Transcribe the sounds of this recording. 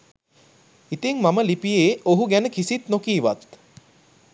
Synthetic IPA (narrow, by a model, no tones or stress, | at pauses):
it̪iŋmaməlipijeːoɦuɡænəkisit̪nokiːʋa̰t̪̚